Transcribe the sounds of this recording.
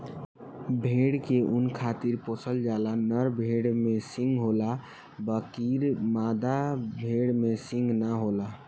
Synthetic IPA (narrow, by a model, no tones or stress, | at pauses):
bʱeɽkeʔunkʰat̪iɾposʰəld͡ʒalanəɾbʱeɽmesĩŋɡɦola | bəkiɾmad̪abʱeɽmesĩŋɡnəɦola